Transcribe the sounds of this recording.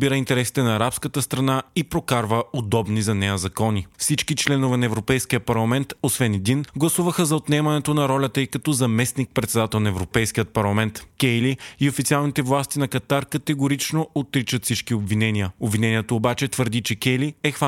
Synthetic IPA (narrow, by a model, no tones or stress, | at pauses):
biɾəint̪ɛɾɛsi̥t̪ɛnɐːɾapskət̪əst̪ɾɐnaipɾokaɾvəod̪ɔbnizɐnɛjəzɐkɔnifsit͡ʃkit͡ʃlɛnovɛnɐɛvɾopɛjskijəpɐɾlˠɐmɛnt̪osvɛnɛd̪inɡlˠɐsuvəxəzɐot̪nɛmɐnɛt̪onɐɾɔlʲət̪əikɐt̪ɔzɐmɛsnik̚pɾɛt̪sɛd̪at̪ɛlˠnɐɛvɾopɛjskijət̪̚pɐɾlˠɐmɛnt̪kʲɛjliːofit̪sialˠnit̪ɛvlˠast̪inɐkɐt̪aɾkɐt̪ɛɡoɾit͡ʃnoot̪ːɾit͡ʃət̪fsit͡ʃkiobvinɛniəobvinɛnʲiɛt̪oːbat͡ʃɛt̪vəɾd̪it͡ʃɛkʲɛjliɛxva